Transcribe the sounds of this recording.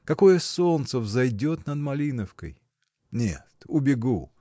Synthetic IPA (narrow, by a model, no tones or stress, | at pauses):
kɐko̞jəsont̪səvzɐjdʲo̞t̪nəd̪mɐlʲinəfkə̰j | nʲḛt̪ʊbʲɪɡu